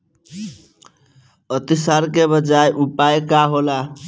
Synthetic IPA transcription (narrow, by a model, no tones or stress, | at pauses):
ət̪isaɾkebəd͡ʒajʔupaekaɦola